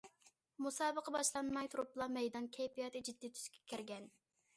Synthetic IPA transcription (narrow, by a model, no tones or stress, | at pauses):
musɑːbəqʰɑbɑʃlˠɑnmɑjt̪ʰuɾʊplˠɑmɛjd̪ɑnkʲʰɛjpijɑt̪ɨd͡ʒid̪ːiːt̪ʰy̥z̥kʲʰɛ̥kʲʰiɾɡʲɛn